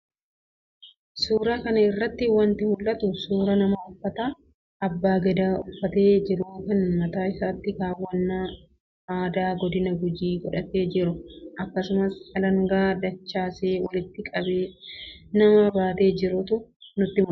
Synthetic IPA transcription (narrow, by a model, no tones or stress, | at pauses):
suːɾakɐnɐɪrːɐt̪ːɪwɐnt̪ɪmʊlːɐt̪ʊsuːɾɐnɐmɐʊfːɐt̪a | ɐbːaːɡɛd̪aːʊfːɐt̪e̞ːd͡ʒɪɾuːkɐnmɐt̪aːɪsaːt̪ːɪɡaːwːɐnːa | aːd̪aːɡɔd̪ɪnɐɡʊd͡ʒiːɡɔᶑɐt̪eːd͡ʒɪɾʊʔɐkːɐsʊmɐsɐlɐŋɡaːd̪ɐt͡ʃːaːseːwɐlɪt̪ːɪkʼɐbeːnɐmɐbaːt̪e̞ːd͡ʒɪɾʊt̪ʊnʊt̪ːɪmʊ